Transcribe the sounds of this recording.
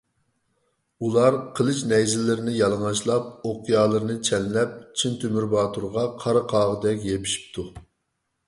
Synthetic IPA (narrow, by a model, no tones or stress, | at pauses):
ulˠɑɾqʰəlˠɨʃnɛjzɪlɪɾɪnɪjɑlˠəŋɑʃlˠɑp̚oqjɑːlˠəɾɨnɨt͡ʃʰɛnlɛp̚t͡ʃʰint̪ʰymyɾbɑːt̪ʰuɾʁɑqʰɑɾɨqʰɑːʁəd̪ɛk̬ʲjepʰi̥ʃi̥p̚t̪ʰu